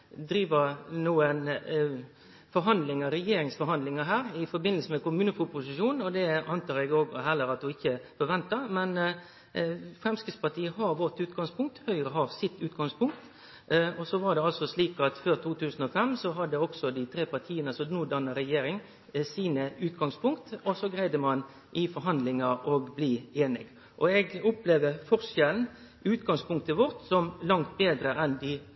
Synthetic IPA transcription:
d̪ɾiːʋənuːən | fɔɾɦɑnd̪lɪŋɑɾɛjeːɾɪŋsfɔɾhɑnd̪lɪŋəɦæːɾɪfɔbɪnəlsəmɛkʊmʉːnəfʊpʊsɪʃuːn̩ɔd̪ɛɑnt̪ʰɑːɾɛɡoːɡɦɛlːəɾɑt̪̚d̪ʊɪçːəfɔɾʋɛnt̪əɾmɛn | fɾɛmskɾɪt̪spɑʈʰiːəɦɑɾʋɔt̪ʉːt̪ɡɑŋspʊŋk̚t̪hœʏɾəɦɑɾsɪt̪ːʉːt̪̚ɡɑŋspʰʊŋk̚t̪ | ɔsɔʋɑɖ̪ɛɑlsɔsliːkɑt̪føːɾt̪ʰuːt̪ʉːsn̩ɔfɛmsɔɦɑd̪ːəɔksɔd̪ɪt̪ʰɾeːpɑʁt̪ʰiːənəɑsɔnʊd̪əʁnəɾɛjeːɾɪŋ | siːnəʉːt̪ɡɑŋspʰʊŋkt̪ɔsɔɡɾæɪd̪əmɑn | ʔɪfɔɾɦɑnd̪lɪŋɑʔɔɡbliːeːnɪɡ | ʔɔɛɡʊpleːʋəɾfɔɾʂɛln̩ | ʉːt̪ɡɑŋspʊŋk̚t̪əʋɔɾt̪sɔmlɑŋt̪̚beːd̪ɾəʔɛnd̪ɪ

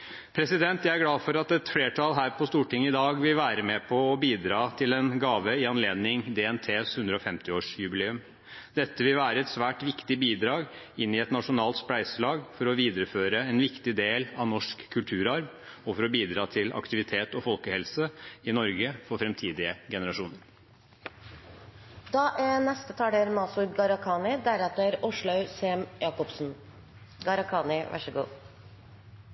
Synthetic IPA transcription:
pʰɾɛsɪd̪ɛnt̪jæɪæɡlɑːfɔɾɑt̪ɛt̪fleːʈʰɑlɦæːɾpʰɔst̪uːʈɪŋːəɪd̪ɑːɡʋɪlʋæːɾəmɛpʰɔːbiːd̪ɾɑːt̪ʰɪlɛnɡɑːʋəɪɑnleːd̪nɪŋd̪ɛɛnt̪ʰeːshʉnd̪ɾəɔfɛmt̪ɪoːʂjʉbɪleːʉm | d̪̥ɛt̪ːəʋɪlʋæːɾəɛt̪sʋæːʈʋɪkt̪ɪbiːd̪ɾɑːɡ | ɪnːɪɛt̪nɑʂʊnɑːlt̪splæɪsɭɑːɡfɔɾɔʋiːd̪əɾəføːɾəɛnʋɪkt̪ɪd̪eːlɑʋnɔʂkʰːʉlt̪ʰʉːɾɑɾm | ɔfɔɾɔbiːd̪ɾɑːt̪ʰɪlɑ̰kt̪ɪʋɪt̪ʰeːt̪ɔfɔlkəhɛlsəɪnɔɾɡəfɔɾfɾɛmt̪ʰiːd̪ɪəɡɛnəɾɑʂuːnəɾ | d̪ɑːʔænɛst̪ət̪ʰɑːɖ̪eɾmɑsʊɡɑɾɑkʰɑːnɪd̪æɾɛt̪əæɾʊʂɭɑʉsemjɑːkɔpsn̩ | ɡɑɾɑkʰɑːnɪʋʔæ̰ʂəɡṵː

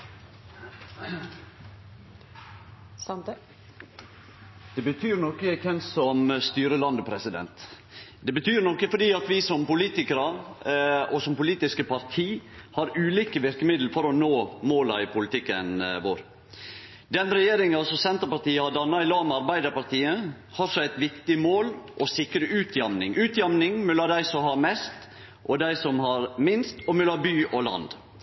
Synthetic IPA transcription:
d̪̥ɛbət̪ʰyːɾnɔkːəkʰɛnsɔmst̪yːɾəlɑnd̪əpʰɾɛsɪd̪ɛ̰nt̪ | d̪ɛbət̪ʰyːɾnɔkːəfɔɖiːɑt̪ʋɪsɔmpʊliːt̪ɪkəɾəɾ | ɔsɔmpʊliːt̪ɪskəpʰɑɾt̪ʰiːhɑɾʉːliːkəʋɪɾkəmɪd̪l̩fɔɾɔnoːmoːlɑ̰ɪpʰʊlɪt̪ʰɪkːə̰nʋo̰ːɾ | d̪ɛnɾɛjeːɾɪŋɑsɔsɛnt̪əɾpɑɾt̪iːəhɑd̪ɑnːɑɪlɑːʋmɑɾbæɪd̪əɾpɑɾt̪iːə | hɑɾsɔæɪt̪ʋɪkt̪ɪmoːlʔɔsɪkɾəʉːt̪ʰjɑmnɪ̰ŋʔʉːt̪jɑmnɪŋmʉlːɑd̪æɪsɔhɑːmɛst̪ | ʔɔd̪æɪsɔmhɑɾmɪnst̪ɔmʉlɑbyːʔɔlɑ̰nd̪

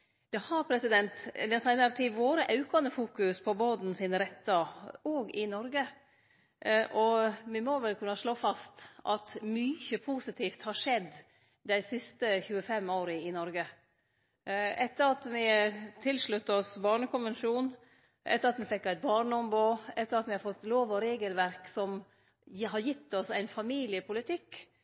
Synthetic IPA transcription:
d̪̥ɛhɑɾpʰɾɛsɪd̪ɛnt̪d̪ɛnsæɪnɑɾt̪ʰɪʋoːɾəʔɑʉkɑnd̪əfuːkʉspʰɔboːd̪n̩sɪnɾɛt̪ːɑoːɡɪnɔɾɡə | ʔɔmɪmɔʋɛlkʰʉnːɑʂɭoːfɑst̪ʔɑt̪myːçəpʰuːsɪt̪ʰiːft̪hɑɾʂɛd̪ː | d̪æɪsɪst̪əçʉːəfɛmːoːɾəɪnɔɾɡə | ɛt̪ːəɾɑt̪ʋɪt̪ʰɪlʂɭʉt̪ːəɔsbɑːɳəkʰʊnʋɛnʃuːn | ʔɛt̪ːəɾɑt̪mɪfɛkːæɪt̪̚bɑːɳəɔmboːɛt̪ːəɾɑt̪ʋɪhɑɾfɔt̪ːloːʋɔɾeːɡəlʋæɾksɔm | ɦɑɾjɪt̪ːɔsæɪnfɑmiːlɪəpʰʊlɪt̪ʰɪkː

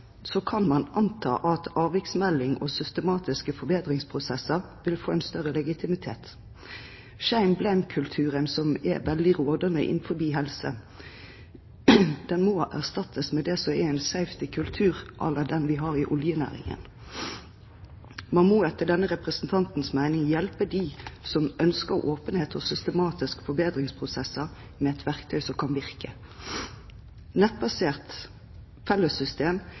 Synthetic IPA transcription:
sɔkʰɑnmɑnʔɑnt̪ʰɑ̰ːʔɑt̪ʰɑːʋɪksmɛlːɪŋɔ̰sʏst̪əmɑːt̪ɪskəfɔɾbeːd̪ʁɪŋspʰʁʊsɛsəʁ | ʋɪlfoːɛɪnst̪œʁəlɛɡɪt̪ʰɪmɪt̪ʰḛːt̪ | ʃæɪmblæɪmkʰʉlt̪ʰʉːʁənsɔmɛ̰ʋɛld̪ɪʁoːd̪ɑnə̰ʔɪ̰nfɔɾbiːɦɛlsə | d̪̥ɛnmoːʔæʁst̪ɑt̪ʰːəsmɛd̪ɛsɔmɛɛnsæʏft̪ɪkʰʉlt̪ʰʉːʁʔɑ̰lːəd̪ɛnʋɪɦɑːʁɪʔɔljənæ̰ːʁɪ̰ŋə̰n | mɑnmoːɛt̪ːəɖ̪ɛnːəʁɛpʁəsn̩t̪ʰɑnt̪n̩smæɪnɪŋjɛlpəd̪isɔmœnskəʁʔoːpənheːt̪ʰɔsʏst̪əmɑːt̪ɪskfɔbeːd̪ʁɪŋspʰʁʊsɛsəʁ | mɛɛt̪ʰʋæʁkt̪ʰœʏsɔkʰɑnʋɪʁkə | nɛt̪̚bɑseːʁt̪ | fɛləsʏst̪eːm

